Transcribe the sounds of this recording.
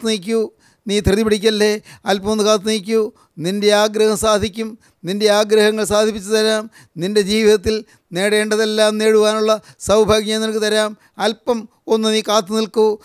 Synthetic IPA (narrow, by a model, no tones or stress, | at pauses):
t̪ːɨnik̬ʲːu | niːt̪rɨðipiɽik̬ʲːɐlːe̞ɐlpɐmonːɨkaːt̪ːɨniːk̬ʲːu | ninde̞aːɡɾɐhɐmsaːd̪ʱikʲːum | ninde̞aːɡɾɐhɐŋːɐɭsaːd̪ʱipːit͡ɕːut̪ɐɾaːm | ninde̞d͡ʑiːʋiðɐt̪̬ːil | ne̞ːɽe̞ːɳɖɐðe̞lːaːmne̞ːɻuʋaːnuɭːɐsɐwbʱaːɡjɐenikːɨt̪ɐɾaːm | ɐlpːɐm | o̞nːɨniːkaːt̪ːɨnilku